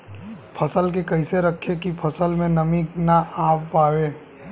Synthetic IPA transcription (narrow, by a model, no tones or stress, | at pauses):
pʰɐsəlk̬ekɐɪseɾəkʰːekipʰəsəlmẽnɐmiknaʔaːppaːweː